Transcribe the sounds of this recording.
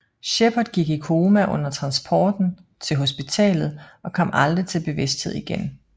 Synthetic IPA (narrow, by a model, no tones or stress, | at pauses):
ɕepʰɐd̥ˠɡ̥iɡ̥ikʰo̝ːmæʔɔ̽n̰ɐt͡sʰʁɑ̈nsb̥ʰɒːd̥n̩t͡sʰe̝lɦo̝sb̥it͡sʰɛ̰ːlð̞̩ˠʔɒ̽kʰɒ̽m̰ʔɑld̥ʁit͡sʰe̝lb̥e̝ʋe̝sd̥he̝ð̞̰ˠiɡ̥en